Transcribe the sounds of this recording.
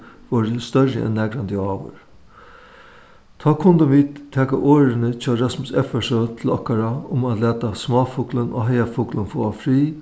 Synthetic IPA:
ʋɔːɾəst̪œɹːə̰ʔɛ̰nːɛɡɾand̪əɑːʋə̰ɾ | t̪ʰɑːkʰʊnd̪əʋiːd̪t̪ʰːɛːkaʔoːɾɪnət͡ʃʰɑːɾɑsmʊsɛfɛsot̪ʰɪlɔhkaɾaʊmæt̪læːt̪asmɑːfuːklənʔo̰ɦɛjafuːklənfoːafɾiː

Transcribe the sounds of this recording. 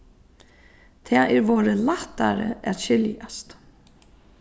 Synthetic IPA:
t̪ʰɛːʔɛɾʋoːɾəlaht̪aɾə̰æt̪ɕɪljast̪

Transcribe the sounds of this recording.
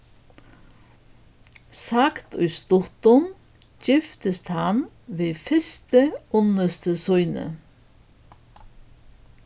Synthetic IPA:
sakt̪ʊjst̪ʊht̪ʊm | cɪft̪əst̪han | ʋiːfɪst̪əʊnəst̪əsʊjnə̰

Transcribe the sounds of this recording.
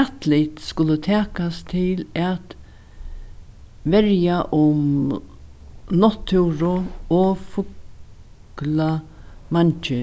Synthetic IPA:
at̪lɪt̪skʊlət̪ʰæːkast̪ʰɪlæt̪ | ʋɛɾjaʔʊm | nɔt̪ʰːʉwɾʊɔfʊk | la | mant͡ʃə

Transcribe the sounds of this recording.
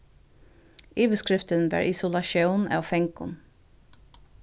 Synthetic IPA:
iːʋəskɹɪft̪ənʋæ̰ːɹʔɪsʊlɑʃəwnɑ̰ːʋfɛŋkʊ̰n

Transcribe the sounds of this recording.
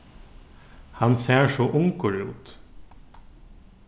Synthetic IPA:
hɑnseːɹʃoːʔʊŋkʰʊɽɪṵːt̪

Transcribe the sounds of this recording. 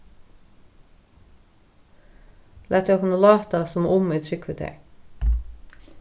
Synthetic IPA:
læt̪ːkʰnəlɑːt̪ɑsɔmʔʊmiːt̪ʰɾʏkʰʋət̪ʰḛ

